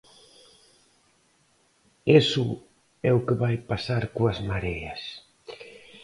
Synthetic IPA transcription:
esʊ | ɛʊkeβajpasaɾkoazmaɾejas

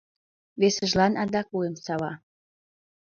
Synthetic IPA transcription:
βesə̆ʒlɑnɑnd̪ɑkujemsɑβɑ

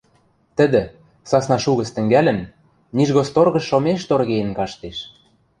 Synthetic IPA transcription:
t̪ə̆d̪ɘ̆ | sɑsnɑʃuɣə̆t͡st̪ə̆ŋɡælʲə̆n | niʒɣost̪orɣɤ̆ʃːomeʃt̪orɣejnkɑʃt̪eʃ

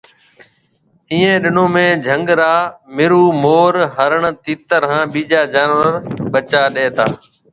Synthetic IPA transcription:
ĩːẽːɗɪnõːmẽːd͡ʒʱəŋɡɾaːmɪɾuːmoːɾɦəɾəɳt̪iːt̪əɾɦãːɓiːd͡ʒaːd͡ʒaːnʋəɾɓət͡ʃaːɗeːt̪a̰ː

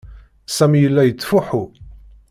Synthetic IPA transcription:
sæmijəlːæjət͡sːfuħu

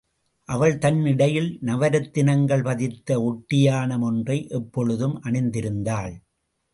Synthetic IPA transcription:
ʔɐʋɐɭt̪ɐnːɪɽɐjɪlnɐʋɐɾɐt̪ːɪnɐŋɡɐɭpɐðɪt̪ːɐɔʈːɪjaːnɐmɔndrɐɪʔɛpːɔɻɯðɯmʔɐɳɪnd̪ɪɾɯnd̪aːɭ

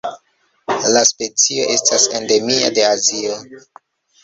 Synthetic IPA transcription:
laspe̞t͡sio̞̰ʔe̞stase̞nde̞mia̰de̞azio

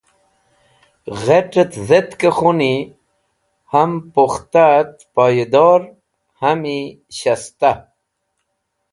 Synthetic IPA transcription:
ɣeʈət̪zet̪kexuni | hampoxt̪at̪paːjd̪ɔːɾ | hami | ɕast̪a

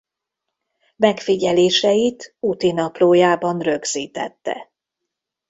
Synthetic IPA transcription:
mɛkfiɟɛleːʃɛjit̪ut̪inɒploːjaːbɒnrø̞ɡz̥iːt̪ɛ̰t̪ːɛ̰

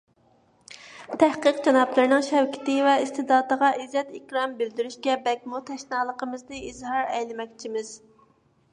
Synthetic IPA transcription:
t̪ʰæhqəqd͡ʒɑnɑplˠɨɾnɨŋʃɛwkʲʰɪ̥t̪ɪvɛist̪ɨd̪ɑːd̪əʁɑʔizːɛt̪ikʲɾɑmbɪld̪yɾyʃkʲɛbɛkʲmut̪ʰɛʃnɑːlˠəqʰəmɨznɨizɦɑɾɛjlɪmɛk̚ʲt͡ʃʰimɪz̥

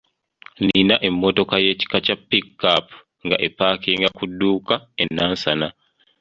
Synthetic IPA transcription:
ninaʔɛmːɔtɔkajet͡ʃi̥kat͡ʃapːikːap | ŋɡa̰ʔɛpaːkiŋɡakudːuːkaɛnːansana

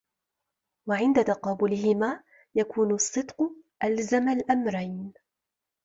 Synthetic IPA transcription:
waʕɪnd̪at̪ɑqɑːbʊlɪhɪmaː | jakuːnʊsˤːɨd̪qʊʔalzamalʔamɾajn

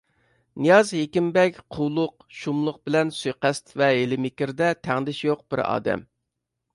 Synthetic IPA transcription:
nijɑzɦekʲimbɛkʲqʰuwlˠʊq | ʃumlˠʊq̚bɪlɛnsyjqɛst̪vɛelɪmɪkʲɪɾd̪ɛt̪ʰæŋd̪ɪʃjoq̚b̥ɪ̰ɾɑ̰ːd̪ɛ̰m

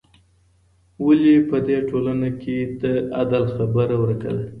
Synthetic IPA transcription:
walipəd̪eʈolanaked̪əad̪alxabəɾawəɾaka̰la

